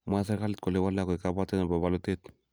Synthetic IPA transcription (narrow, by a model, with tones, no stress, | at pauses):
ma˦sa˦ɾka˦lɪ˦t̪̚ko˨le˨wa˦lːa˨kɔ˨jka˦ba˦te˦na˨ba˨ba˨lo˦tet̪